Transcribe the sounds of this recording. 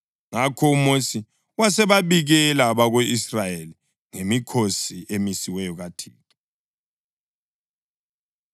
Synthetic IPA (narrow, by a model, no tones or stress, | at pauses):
ŋakʰɔumosi | wasɛβaβiɣɛlaβaɣeisrajeli | ŋemikʰosiemisiwɛjɔɣatʰḭːtʰʼɔ̥